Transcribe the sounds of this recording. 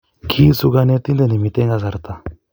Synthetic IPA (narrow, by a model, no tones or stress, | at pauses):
kʰiːsuɡanet̪ĩnd̪enimit̪ẽŋɡasaɾt̪a